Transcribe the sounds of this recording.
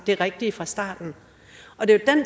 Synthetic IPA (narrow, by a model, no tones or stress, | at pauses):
d̥e̝ʁɛɡ̥̚d̥ifʁɑ̈sd̥ɑ̰̈ːd̥n̩ | ɒ̽d̥e̝jod̥æn